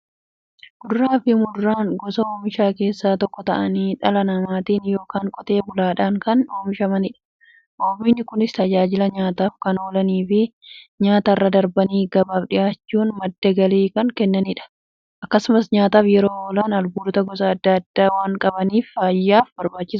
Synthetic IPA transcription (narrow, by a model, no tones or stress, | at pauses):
ɡ̥ʊɾɾaːfɪmʊdːaːŋɡɔsɐoːmɪʃaːke̞ːsːaːt̪ɔkːɔt̪ɐ̰ʔɐniːᶑɐlɐnɐmaːt̪iːnjo̞ːkaːŋkʼɔt̪ʼe̞ːbʊlaːᶑaːŋkɐnoːmɪʃɐmɐnɪᶑɐ̥ | ʔoːbɪnːɪkʊnɪst̪ɐd͡ʒaːd͡ʒɪlɐɲaːt̪aːfkɐno̞ːlɐniːfɪɲaːt̪ɐrːɐd̪ɐɾbɐniːɡɐbaːfᶑɪjaːt͡ʃːuːnmɐd̪ːɐɡɐleːkɐŋkɛnːɐnɪᶑɐ̥ | ʔɐkːɐsʊmɐsɲaːt̪aːfjɛɾoːoːlaːnɐlbuːɾʊt̪ɐɡɔsɐːd̪ːɐɐd̪̥ːaːwaːŋkʼɐbɐniːffaːjːaːfbɐɾbaːt͡ʃːɪs